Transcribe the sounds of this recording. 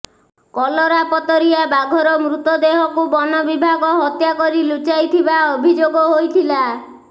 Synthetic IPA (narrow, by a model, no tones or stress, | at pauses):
kɔlɔɾapɔt̪ɔɾiabaɡʱɔɾɔmɾut̪ɔd̪eɦɔkubɔnɔbibʱaɡɔɦɔt̪jakɔɾilut͡ʃajt̪ʰibaobʱid͡ʒoɡɔɦojt̪ʰila